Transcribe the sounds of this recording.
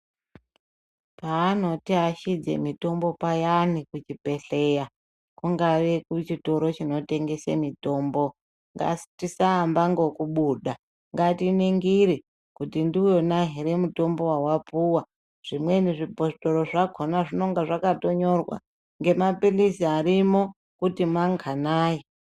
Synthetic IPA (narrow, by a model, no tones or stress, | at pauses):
paːno̞tiɦaʃid͡zḛmito̞mbo̞pajanikut͡ʃipe̞ɬeja | kuŋɡaʋe̞kut͡ʃito̞ɾo̞t͡ʃino̞te̞ŋɡe̞semito̞ːmbo̞ | ŋɡa̰stisaːmbaŋɡo̞kuɓuːɗa | ŋɡatiniŋɡiɾi | kutindiujonaɦiɾemuto̞mbo̞wawapuwa | ʐ̥imwe̞niʐipo̞sto̞ɾo̞ʐaɡʱonaʐino̞ŋɡaʐakato̞ɲo̞rwa̰ | ŋɡe̞mapilisiaɾimo̞ | kutimaŋɡanaːji